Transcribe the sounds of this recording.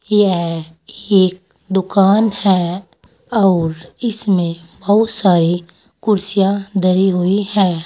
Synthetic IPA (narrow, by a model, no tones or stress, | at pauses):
jɛɦ | eːk̚ | d̪ʊkaːnhɛː | ɔːɾɪsmẽbɐɦʊt̪saːɾi | kʊɾsijãd̪əɾiɦʊihɛː